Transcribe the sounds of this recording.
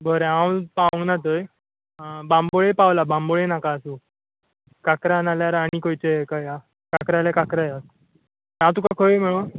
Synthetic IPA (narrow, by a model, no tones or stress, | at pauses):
bʱəɾeãwpaʋə̃ŋɡnat̪̬əj | bãmboɭepawlabãmboɭenakaːsu | kakɾanaljaɾaɽ̃ikojt͡ɕeekaja | kakɾalakakɾaja | ɦãt̪̬ukakʰəjm̤əɭõ